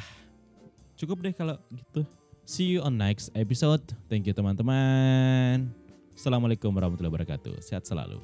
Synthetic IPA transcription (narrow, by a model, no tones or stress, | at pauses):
h | t͡ʃukʊp̚dɛhkalaɡit̪u | sijuɔnːajksep̬isod̪̚t̪ɛŋk̬jut̪əmant̪əma | n | salamalekʊmwaɾahmat̪ulahbəɾaka̰t̪ṵsea̰t̪̚səla̰lṵ